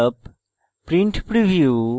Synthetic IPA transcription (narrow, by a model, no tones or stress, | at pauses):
əp | pɾĩɳʈpɾiʋjuː